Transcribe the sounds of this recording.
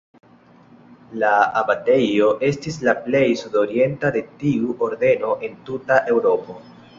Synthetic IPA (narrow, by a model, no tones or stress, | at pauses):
laabate̞jo̞ʔe̞stislaple̞jsudo̞ɾie̞ntade̞tiuʔo̞ɾde̞no̞ʔe̞ntutaʔe̞wɾo̞po̞